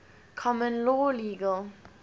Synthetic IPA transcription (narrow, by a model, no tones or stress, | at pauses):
kʰɔmə̃nlɔːliːɡəl